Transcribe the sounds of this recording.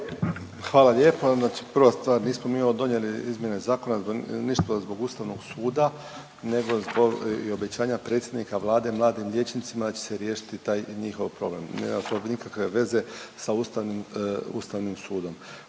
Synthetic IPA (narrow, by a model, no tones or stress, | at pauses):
xʋaːlalʲje̞ːponaːt͡ʃi̥pr̩ʋast̪ʋaːɾniːsmomiːod̪o̞njeliizmʲje̞nezaːko̞nazbniʃt̪ozbo̞ɡuːst̪aʋnoɡsuːd̪a | ne̞ɡo̞zbo̞ɡio̞bet͡ɕaːɲapɾe̞t̪sjed̪nikaʋlˠaːd̪e̞mlˠaːd̪imʎʲe̞t͡ʃnit̪simad̪at͡ɕe̥seɾje̞ːʃi̥t̪it̪aːjɲixo̞ʋpɾo̞blemnḛmasobnikakʋe̞ʋe̞ze̞saust̪aʋnimṵst̪aʋnimsuːd̪o̞m